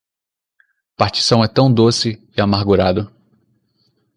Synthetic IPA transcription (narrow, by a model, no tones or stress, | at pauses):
paɾt͡ʃi̥sɐ̃w̃ɛt̪ɐ̃w̃d̪osɪɪamaɾɡuɾad̪ʊ